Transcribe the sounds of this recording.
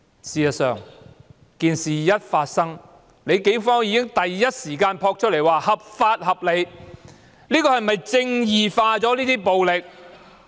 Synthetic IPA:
siː˨jɐ˨tsœ̰ː˨ŋ | kiː˨nsiː˨jɐ˥t̚faː˧t̚sɐ˥ŋ | le˨˧jke˨˥fɔː˥ŋjiː˨˧kɪ˥ŋt̪ɐ˨jːɐ˥t̚siː˨˩kaː˧npʰɔː˧k̚t͡ʃʰɵ˥t̚le˨˩jwaː˨˩hɐ˨p̚faː˧t̚hɐ˨˩p̚le˨˧j | liː˥kɔː˧hɐ˨jmɐ˨jt͡sɪ˧ŋjiː˨faː˧t͡sɔː˨˥liː˥t̪iː˥po˨wlɪ˨k̚

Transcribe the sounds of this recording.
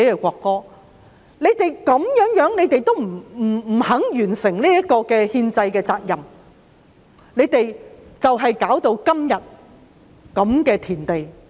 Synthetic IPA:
kɛ˨˧kʷɔː˧kːɔː˥ | ne˨˧jt̪e˨jkɐ˨˥mjœː˨˥ŋjœː˨˥ŋne˨˧jt̪e˨jt̪o˥wm̩˨˩˨hɐ˨˥ŋjyː˨˩nsɪ˨˩ŋliː˥jɐ˥t̚kɔː˧kɛː˧hiː˧nt͡sɐ˧jkɛː˧t͡saː˧k̚jɐ˨m | ne˨˧jt̪e˨jt͡sɐ˨wɦɐ˨jkaː˨˥wt̪o˧wkɐ˥mjɐ˨t̚ | kɐ˨˥mkɛː˧t̪ʰiː˨˩nt̪e˨j

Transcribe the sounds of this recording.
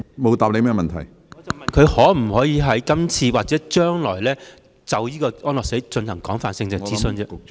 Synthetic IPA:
mo˨˧wt̪aː˨p̚le˨˧jmɛː˥mɐ˨nt̪ʰɐ˨˩j | ɔ˨˧t͡sɐ˨mɐ˨nkʰɵ˨˧ɥhɔː˨˥m̩˨˩hɔː˨˥jiː˨˧ɦɐ˨˥jkɐ˥mt͡sʰiː˧waː˨˩t͡sɛː˨˥t͡ʃœː˥ŋlɔ̰ː˨˩jlɛː˥ | t͡sɐ˨wjiː˥kɔː˧ʔɔː˥nlɔː˨˩kse˨˥jt͡ʃɵ˧nhɐ˨˩ŋkɔː˨˥ŋfaː˨nsɪ˧ŋt͡sɪ˨t͡siː˨˥sɵ˧nt͡sɛ˧

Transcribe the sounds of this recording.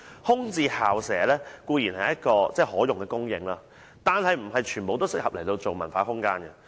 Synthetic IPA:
hʊ˥ŋt͡siː˨˧haː˨˩wsɛː˨˥lɛː˥kuː˧jiː˨˩nhɐ˨jɐ˥t̚kɔː˧t͡sɛː˥˧hɔː˨˥jʊ˨ŋkɛː˧kʊ˥ŋjɪ̰˧ŋlaː˧ | t̪aː˨nhɐ˨jm̩˨˩ɦɐ˨jt͡ʃʰyː˨˩nmpo˨wt̪o˥wsɪ˥k̚hɐ˨p̚lɐ˨˩jt̪o˧wt͡so˨wmɐ˨˩nfaː˨˧˥ɦʊ˥ŋkaː˥nɡɐ˧

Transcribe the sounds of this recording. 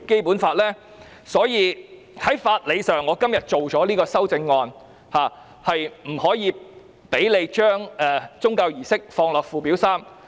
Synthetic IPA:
ke˥jpuː˨˥nfaː˧t̚lɛː˥ | sɔː˨˥jiː˨˧ | hɐ˨˥jfaː˧t̚le˨˧jsœː˨˩ŋːɔː˨˧˥kɐ˥mjɐ˨t̚t͡ʃo˨wt͡ʃɔː˨˥liː˥kɔː˧sɐ˥wt͡sɪ˧ŋːɔː˧n | haː˨ | hɐ˨jm̩˨˩hɔː˨˥jiː˨˧ | pe˨˥jle˨˧jt͡ʃœː˥ŋɛː˨t͡sʊ˥ŋkaː˧wjiː˨˩sɪ˥k̚fɔː˧ŋlœː˨˩k̚fuː˨˩piː˨˥wsaː˥m

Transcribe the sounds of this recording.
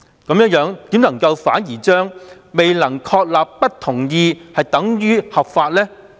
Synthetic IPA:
kɐ˨˥mjə˥n̚jœː˨˥ŋt̪iː˨˥mnɐ˨˩ŋkɐ˧wfa̰ː˨˥njiː˨˩t͡ʃœː˥ŋ | me˨jlɐ˨˩ŋkʰɔː˧k̚laː˨pːɐ˥t̚t̪ʰʊ˨˩ŋjiː˧hɐ˨jt̪ɐ˨˥ŋjyː˥hɐ˨p̚faː˧t̚lɛː˥

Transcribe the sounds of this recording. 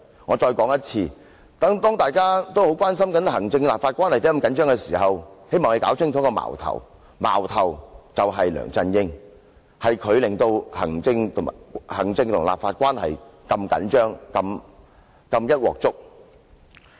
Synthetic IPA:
ŋɔː˨˧t͡ʃɔː˧jkɔː˨˥ŋjɐ˥t̚t͡sʰiː˧ | t̪ɐ˨˥ŋt̪ɔː˥ŋt̪aː˨jkaː˥t̪o˥who˨˥wkʷaː˥ns̬ɐ˥mkɐ˨˥nɦɐ˨˩ŋt͡sɪ˧ŋlaː˨pfaː˧kʷaː˥nhɐ˨˩jt̪ːkɐ˧mkɐ˨nt͡ʃœː˥ŋkɛ˧siː˨˩ɦɐ˨whe˥jmɔː˨ŋle˨˧kaː˨˥wt͡sʰɪ˥ŋt̪ʰɔː˨˥kɔː˧ma̰ː˨˩wt̪ʰɐ̰˨˩w | ma̰ː˨˩wt̪ʰɐ˨˩wt͡sɐ˨wɦɐ˨jlœ̰ː˨˩ŋt͡sɐ˧njɪ˥ŋ | hɐ˨jkʰɵ˨˧ɥlɪ˨˩ŋt̪o˧whɐ˨˩ŋt͡sɪ˧ŋt̪ʰhɐ̰˨˩ŋt͡sɪ˧ŋt̪ʰʊ˨ŋla̰ː˨pfaː˧t̚kʷaː˥nhɐ̰˨jkɐ˧mkɐ̰˨˥nt͡ʃœː˥ŋkɐ˧m | kɐ˧mjɐ˥t̚wɔ̰ː˨k̚t͡sʊ˥k̚

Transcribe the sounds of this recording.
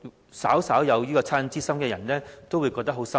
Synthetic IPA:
saː˨˥wsaː˨˥wjɐ˨˧wjiː˥kɔː˧t͡sʰaː˥nt͡siː˥sɐ˥mkɛː˧jɐ˨˩nlɛː˥t̪o˥wu˨˧jkɔ˧k̚t̪ɐ˥ɦo˨˥wsɐ˥

